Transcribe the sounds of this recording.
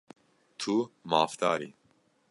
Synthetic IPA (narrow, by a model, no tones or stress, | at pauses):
t̪ʰumɑːft̪ɑ̰ːɾḭː